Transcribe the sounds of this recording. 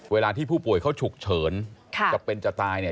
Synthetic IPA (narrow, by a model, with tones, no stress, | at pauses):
weː˧laː˧t̪ʰiː˥˩pʰuː˥˩pu˨˩əjkʰa˥˩wt͡ɕʰu˨˩k̚t͡ɕʰɤː˩˦nkʰa˧˩t͡ɕa˨˩pːe˧nt͡ɕa˨˩t̪aː˧jni˥˩